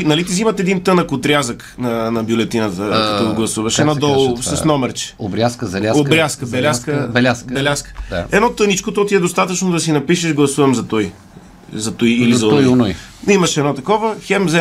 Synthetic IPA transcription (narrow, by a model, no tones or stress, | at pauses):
nɐlit̪izimɐt̪ɛd̪int̪ɤnəkot̪ɾʲazək | nɐnɐbjʊlɛt̪inət̪əkɐt̪ɔɡlˠɐsuvɐʃɛnɔd̪ɔlˠsɐsnɔmɛɾt͡ʃɛ̥obɾʲaskəzɐlʲaobɾʲaskəbɛlʲaskəbɛlʲasbɛlʲaskə̥ɛd̪nɔt̪ɤnit͡ʃkot̪ɔt̪iɛd̪ost̪at̪ət͡ʃnʊd̪ɐsinɐpiʃɛʃɡlˠɐsuvɐmzɐt̪ɔj | zɐt̪ujilizzɐɔjonujimɐʃɛd̪nɔt̪ɐkɔvəxɛmzɛ